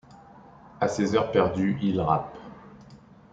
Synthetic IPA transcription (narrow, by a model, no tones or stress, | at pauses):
asezœʁpɛʁd̪yilʁap